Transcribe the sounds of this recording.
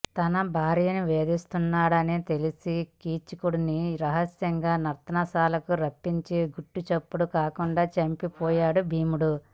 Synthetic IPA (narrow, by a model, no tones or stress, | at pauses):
t̪ɐnɐbʱaːɾijɐnuʋeːd̪ist̪unːaːɽɐniːt̪e̞lisikiːt͡ʃikuɽuniɾɐɦɐsjɐŋɡaːnɐɾt̪ɐnɐsaːlɐkuɾɐpːiɲt͡ʃiɡuʈːut͡ʃepːuɽukaːkuɳɖaːt͡ʃɐmpipɔːjaːɽubʱiːmuɽu